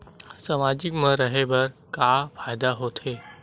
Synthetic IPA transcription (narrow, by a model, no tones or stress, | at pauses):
səmaːd͡ʒɪkmə̃ɾəɦebɐɾkafʰaːjd̪aɦoːt̪ʰeː